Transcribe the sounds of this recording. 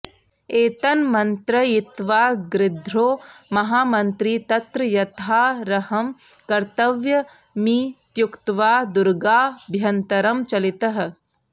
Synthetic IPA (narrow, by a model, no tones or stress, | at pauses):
eːt̪ɐnmɐnt̪ɾɐjɪt̪ʋaːɡɾɪd̪ʱɾoːmɐɦaːmɐnt̪ɾiːt̪ɐt̪ɾɐjɐt̪ʰaːɾɐhɐm | kɐɾt̪ɐʋjɐ | miːt̪jʊkt̪ʋaːd̪ʊɾɡaːbʱjɐnt̪ɐɾɐmt͡ʃɐlit̪ɐɦ̆